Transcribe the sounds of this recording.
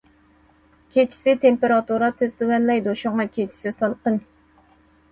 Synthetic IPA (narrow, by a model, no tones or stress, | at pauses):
kʲʰet͡ʃʰi̥sɪt̪ʰempeɾɑt̪uɾɑt̪ʰest̪uwɛnlɛjd̪oʃʊŋɑkʲʰet͡ʃʰi̥sɪsɑlˠqən